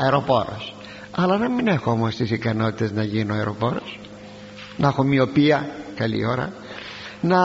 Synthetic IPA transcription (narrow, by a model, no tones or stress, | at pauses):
ɐeɾo̞po̞̰ɾo̰s | ɐlɐnɐmine̞xoo̞mo̞st̪isikɐno̞t̪i̥t̪e̞znɐʝinoɐeɾo̞po̞ɾos | nxomio̞piɐkɐlḭo̞ɾɐ̰ | nɐ